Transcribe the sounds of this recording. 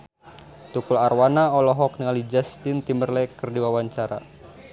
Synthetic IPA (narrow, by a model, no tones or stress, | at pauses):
t̪ukularwanaɔlɔɦɔk̚niŋalid͡ʒast̪ɪnt̪imərlɛkɨrdiwawaɲt͡ʃaɾa̰